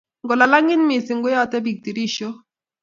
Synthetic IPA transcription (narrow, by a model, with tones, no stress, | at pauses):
ŋɡɔ˨la˨la˦ŋɪ˦nmɪ˨sɪ˨ŋɡʊ˦jɔ˦tɛ˦bi˨k̚ti˨ɾi˦ʃo˦